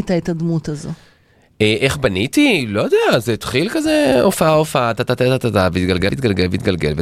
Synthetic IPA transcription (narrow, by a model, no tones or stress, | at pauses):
t̪aetad̪mut̪azo | eʔeχbanit̪ilojod̪eazet̪χilkazeofaaofaat̪at̪at̪at̪at̪at̪aveit̪ɡalɡeit̚ɡalɡelveit̪ɡalɡelve